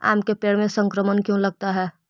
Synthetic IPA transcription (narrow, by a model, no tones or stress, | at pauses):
a̰ːmkepeːɽmẽsə̃ŋkɾəmənkjõləɡ̚t̪aɦɛː